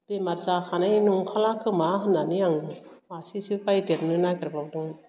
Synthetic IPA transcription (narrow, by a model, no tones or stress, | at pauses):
d̥emaɾzaxʰanajnuŋkʰalakʰɯmaɦɯnanijaŋɯasisipajdeɾ̚nɯnakaɾbawdɯŋ